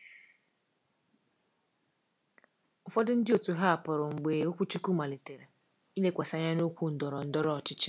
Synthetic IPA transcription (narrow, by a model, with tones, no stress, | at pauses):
ʊ˨fɔ˦dʊ˦n̩˦dɪ˦o˨tu˨ɦa˦a˨pɔ˨ɾʊ˨ŋ͡m̩˨ɡ͡be˨o˦kʷu˦t͡ʃu˦ku˦ma˨le˨te˨ɾe˨ | i˦le˦kʷa˨sa˨ɲa˦no˦kʷu˦n̩˨dɔ˨ɾɔ˨n̩˦dɔ˦ɾɔ˦ɔ˨t͡ʃɪ˦t͡ʃɪ̥˦